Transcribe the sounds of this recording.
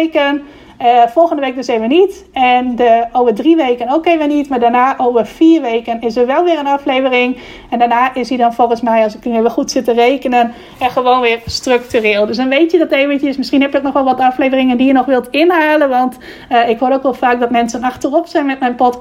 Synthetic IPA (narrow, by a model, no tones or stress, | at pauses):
kən | əfɔlˠxəndəʋejk̚døsejvənit | ɛndəowvəɹdriʋejkənowkevənitmaːɹdaːɹnaːʔowvəɹfiːɹʋejkənɪsərʋɛlˠʋɪːɾənɑflejvərɪŋ | ɛndaːnaːʔɪsidɔnfolˠxənsmɛjɑsɪknyeʋɛxutsɪtərejkənən | ɛχəʋownʋɪːɹstrøk̚tyrɪːlˠdøsdɔnʋejtjədɔtejvəncəsmɪsχinɦɛpjətnɔχʋɛlˠʋɔtəɑflejvərɪŋəndijənɔχʋɪlˠtɪnɦaːlənʋɑnt | ɪkhoːɾowkʋɛlˠfaːk̚dɔtmɛnsənɑxtərɔpsɛjnmɛtmɛjnpɔt